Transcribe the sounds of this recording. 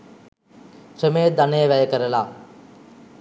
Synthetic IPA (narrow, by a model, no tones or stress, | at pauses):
rəmejd̪anejəʋæjəkəɾəlaː